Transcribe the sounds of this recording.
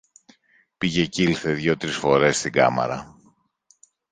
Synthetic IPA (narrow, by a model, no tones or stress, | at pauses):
piʝe̞cilθe̞ðʝo̞t̪ɾisfo̞ɾe̞st̪iɡɐ̰mɐ̰ɾɐ